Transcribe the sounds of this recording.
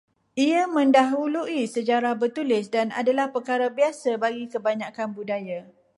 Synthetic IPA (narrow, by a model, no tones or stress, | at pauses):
ʔiamə̃ndaɦuluʔisəd͡ʒaɾahbərt̪ulɪsdana̰dalahpərkaɾabiasabaɡikəbaɲakanbudaja